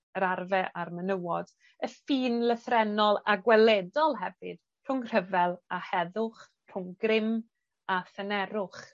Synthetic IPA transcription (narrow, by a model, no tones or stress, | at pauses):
əɾarvɛʔarmənəwɔd̥ | əfiːnləθrɛnɔlˠaɡwɛlɛdɔlˠɦɛvɨd̥ | r̥ʊŋr̥əvɛlˠahɛðʊχ | r̥ʊŋɡrɪm | aθənɛɾʊχ